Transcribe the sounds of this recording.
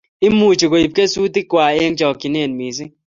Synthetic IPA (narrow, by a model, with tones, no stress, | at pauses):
ɪ˦mu˨t͡ʃi˨ko˨i˨p̚ke˦su˦t̪i˦kwa˨e˦ŋd͡ʒɔ˨ki˨ne˦˨nmi˨s̬i˦